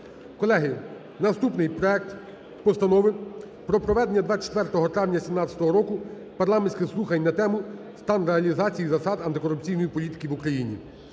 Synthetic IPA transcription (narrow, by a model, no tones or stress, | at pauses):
kɔlˠɛɦɪ | nɐst̪upnɪjpɾɔɛk̚t̪ | pɔst̪ɐnɔʋɪ | pɾɔpɾɔʋɛd̪enʲːɐd̪ʋɑt͡ʃe̥t̪ʋɛrt̪ɔɦɔt̪ɾɑʋnʲɐsʲimnɑt͡sʲɐ̥t̪ɔɦɔɾɔkʊ | pɐrlˠɑmenʲsʲkɪxsˠuxɐnʲnɐt̪ɛmʊ | st̪ɑnreɐlʲizɑt͡sʲijizɐsɑd̪ɐnt̪ɪkɔɾʊp̚t͡sʲijnɔjipɔlʲit̪ɪ̥kʲiʋukɾɐjinʲḭ